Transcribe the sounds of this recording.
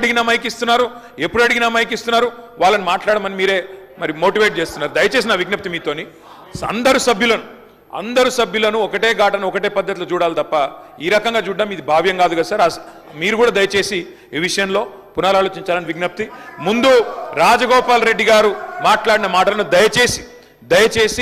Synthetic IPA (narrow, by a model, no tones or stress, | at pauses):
ɽiɡinamɐjk̬ist̪unːaːɾu | epːuɽɐɽiɡinamɐjk̬ist̪unːaːɾuʋaːɭːɐnimaːʈlaːɽɐːmɐnimiːɾe̞ːmɐɾimo̞ːʈiʋeːʈ̚t͡ʃe̞ːst̪unːaːɾud̪ɐjɐt͡ʃeːs̬inaːʋiɡnɐp̚t̪imiːt̪o̞ːni | sɐ̰nd̪ɐɾusɐbjulɐnu | ɐ̰nd̪ɐɾusɐbʱjulɐnuɔkɐʈe̞ːɡaːʈɐnɔkɐʈe̞ːpɐd̪ʱːɐt̪̬ilot͡ʃuːɽaːlit̪ɐpːɐiːɾɐkɐŋɡaːt͡ʃuːɖaːmid̪ibʱaːʋjɐŋɡaːd̪uɡaːsaːɾɐs | miːɾukuːɽaːd̪ɐjɐt͡ʃe̞ːsiː | ʋiʂɐjɐnlo̞ː | punaːlaːlo̞ːt͡ʃiɲt͡ʃaːlɐniʋiɡnɐp̚t̪imund̪uɾaːd͡ʒɐɡɔːpaːlɾe̞ɖːiɡaːɾumaːʈlaːɽinɐmaːʈɐlɐnud̪ɐjɐt͡ʃe̞ːsi̥ | d̪ɐjɐt͡ʃe̞ːsi